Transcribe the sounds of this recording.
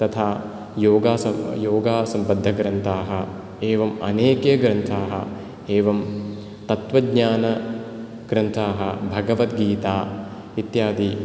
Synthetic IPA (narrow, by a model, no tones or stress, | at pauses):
t̪ɐt̪ʰaː | joːɡaːsɐjoːɡaːsɐmbɐd̪ʱːɐɡɾɐnt̪ʰaːɦɐ̆ | eːʋɐmɐ̰neːkeːɡɾɐnt̪ʰaːɦɐ̰ | eːʋɐm | t̪ɐt̪ʋɐɡɲaːnɐ | ɡ̥ɾɐnt̪ʰaːɦɐ̆bʱɐɡɐʋɐt̪ɡiːt̪aː | it̪jaːd̪i